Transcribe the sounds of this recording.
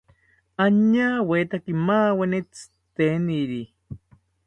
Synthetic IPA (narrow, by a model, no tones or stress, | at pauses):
aɲaːwet̪akimaːwenet͡s | t̪eniɾi